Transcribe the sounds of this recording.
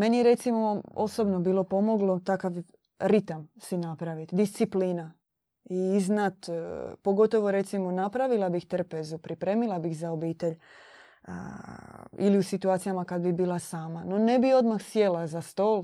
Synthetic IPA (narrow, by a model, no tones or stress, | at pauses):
me̞nijeɾe̞t̪simo̞o̞so̞bno̞biːlˠo̞po̞mo̞ɡlo̞t̪akaʋ | ɾit̪amsinapɾaʋit̪d̪ist̪sipliːna | iiznat̪po̞ɡo̞t̪o̞ʋo̞ɾe̞t̪simo̞napɾaʋilˠabixt̪r̩pezupɾipɾeːmilˠabixzaobiːt̪e̞ʎ̰ | ḭliusit̪uaːt̪sijamakad̪bibiːlˠasaːmano̞ne̞bio̞d̪maxsje̞lazast̪oːlˠ